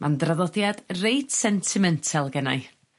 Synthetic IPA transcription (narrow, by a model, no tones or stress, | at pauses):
mʔandraðɔdjadrejd̥sɛntʰɪmɛntʰɛlˠɡənaɨ